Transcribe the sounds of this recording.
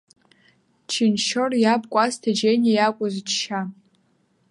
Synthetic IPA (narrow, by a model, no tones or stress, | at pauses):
t͡ʃʰinʃorjabkʷʼastʰad͡ʒenijakʷʼʊzt͡ʃʰʃa